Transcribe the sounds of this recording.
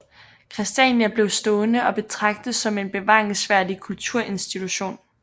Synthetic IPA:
kʰʁɛsd̥ɛnjæb̥le̝ʊsd̥ɔ̽ːnəɒ̽b̥e̝t͡sʰʁɑ̈ɡ̥̚d̥ð̩ˠsɒ̽me̝nb̥e̝ʋɑ̈ːeŋsʋæɐ̰dikʰult͡sʰuɐ̰ʔe̝nsd̥it͡sʰuɕo̝̰ːn

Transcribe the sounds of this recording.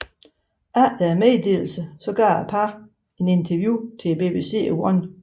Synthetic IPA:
ʔæd̥æɐmeðˠd̥e̝̰ːl̩səsɒ̽ɡ̥ɶɐæpʰɑ | e̝ne̝nt͡sʰɐʋjuːt͡sʰe̝b̥e̝̰b̥e̝̰se̝̰ːwɒn

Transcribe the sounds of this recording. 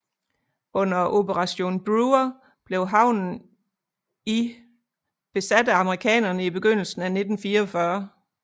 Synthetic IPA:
ʔɔ̽n̰ɐʔo̝b̥əʁɑ̈ɕo̝̰ːnb̥ʁuɐ | b̥le̝ʊɦɑ̈ʊ̰nn̩ | i | b̥e̝sæd̥əɑ̈məʁikʰɛ̰ːnɐnəib̥e̝ɡ̥øn̰l̩sn̩æne̝d̥n̩fiːɐɒfɶɐ

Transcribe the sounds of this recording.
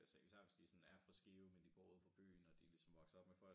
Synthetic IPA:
ælse̝ɡ̥sɑ̈ʋe̝sd̥isɔ̽næɐfʁɑsɡ̥iʊmend̥iɡ̥ɔ̰ːuð̰ˠpʰɒ̽b̥y̰ːnɒd̥ilisɒ̽mʋɒ̽ɡ̥sɐɒ̽b̥mefɒ̽l̰ɡ

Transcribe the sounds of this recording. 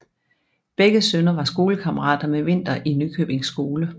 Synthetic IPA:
b̥eɡ̥əsønɐʋɑ̈sɡ̥o̝ːləkʰɑ̈məʁɑ̰̈ːd̥ɐmeʋe̝n̰d̥ɐʔinːykʰø̰b̥e̝ŋsːɡ̥o̝ːlə

